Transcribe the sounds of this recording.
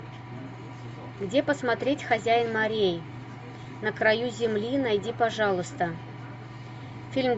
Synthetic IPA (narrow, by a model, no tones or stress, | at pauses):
ɡdʲepəsmat̪ɾʲetʲxɐzʲæjɪnmɐɾʲej | nəkɾɐjuzʲɪmlʲinajdʲipɐʐɑlˠʊst̪ə | fʲilʲm